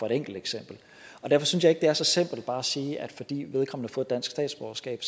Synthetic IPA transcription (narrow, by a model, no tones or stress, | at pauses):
fɒ̽e̝ɾ̥eŋ̰ɡ̥l̩d̥eɡ̥sem̰b̥l̩ | ʔɒ̽d̥æɐfɒ̽synsjɑ̈ɪeɡ̥̚d̥e̝æɐsɒ̽sem̰b̥l̩d̥̚b̥ɑ̈ːæsiːæd̥fɒ̽d̥ḭːʋe̝ð̞ˠkʰɒ̽m̰n̩ɑfɔ̽ːð̩ˠdæn̰sɡ̥sd̥ɛ̰ːd̥sb̥ɒ̰ɐsɡ̥ɛ̰ːb̥s